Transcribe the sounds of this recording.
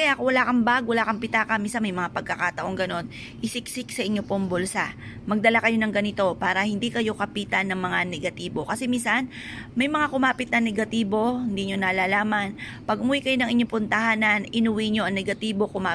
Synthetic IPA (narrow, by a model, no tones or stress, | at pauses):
kɐjakowɐlaːkɐmbaɡ̚wɐlaːkɐmpɪt̪aːkɐminsɐnmɐjmɐŋapɐɡ̚kɐkat̪ɐʔo̞ŋɡɐno̞n | ʔɪsɪksɪksɐʔɪɲːo̞poŋbolsa | mɐɡ̚d̪ɐlakɐjo̞nɐŋɡɐnɪt̪o̞paːɾɐhɪnd̪iːkɐjo̞kɐpiːt̪ɐnːɐŋmɐŋanɛɡɐt̪iːbo̞kɐsɛmiːnsɐnmɐjmɐŋakʊmaːpɪt̪̚nɐnɛɡɐt̪iːbo̞hɪnd̪iːɲo̞nalaːlaːman | pɐɡ̚ʊmuwikɐjo̞nɐŋʔɪɲo̞pʊnt̪ɐhaːnɐnɪnʊwiɲo̞ʔɐŋnɛɡɐt̪iːbo̞kʊmaː